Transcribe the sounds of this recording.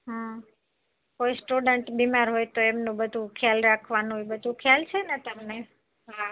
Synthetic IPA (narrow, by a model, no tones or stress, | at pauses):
ɦa | koisʈuɖəɳʈbimaɾɦojt̪oemnũbəd̪ʱũkʰjalɾakʰʋanũebəd̪ʱũkʰjalt͡ʃʰenet̪əmne | ɦa